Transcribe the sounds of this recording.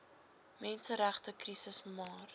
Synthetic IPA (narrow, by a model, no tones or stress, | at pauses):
mɛnsəɾæχtəkrisəsmɑːr